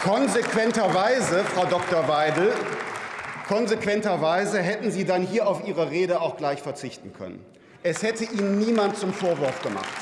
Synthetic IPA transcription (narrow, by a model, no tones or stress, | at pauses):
kʰɔnzekv̥ɛntɐvaɪzəfʁ̥aʊdɔk̚tɔɐvaɪdl̩ | kʰɔnzekv̥ɛntɐvaɪzəɦɛtn̩ziːdanhiːɐaʊfiːʁəʁeːɾəaʊxɡ̥laɪçfɛɐt͡sɪçtn̩kʰœ̰nə̰n | ʔɛshɛtəʔiːnənːiːmant̚t͡sʊmfoːɐvʊɐfɡ̥əma̰χt